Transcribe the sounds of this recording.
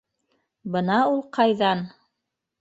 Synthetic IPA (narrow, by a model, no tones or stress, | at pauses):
bɤnɑulˠqʰɑjðɑn